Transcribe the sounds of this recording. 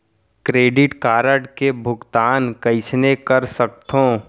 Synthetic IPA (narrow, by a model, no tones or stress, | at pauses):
kɾeːɖɪʈkaːɾəɖkebʱʊɡt̪aːnkɐɪsnekɐɾsək̚t̪ʰõː